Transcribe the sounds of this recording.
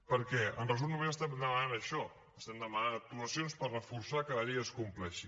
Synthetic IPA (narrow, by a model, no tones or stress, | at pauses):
pəɾkɛənrəz̬umnuβeəst̪ɛmd̪əmənanəʃɔ | əst̪ɛmd̪əmənanək̚t̪uləsionspərəfuɾsakələʎeəskumplɛʃi